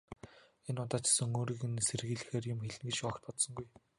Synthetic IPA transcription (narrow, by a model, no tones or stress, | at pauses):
enʊt̪aːt͡ɕsɵ̆ŋoːɾiːɣɘ̆nserɣiːɮɘ̆xeːrjʊmxeɮɘ̆ŋɡet͡ɕɔkt̪̚pɔt̪sɞ̆ŋɡuj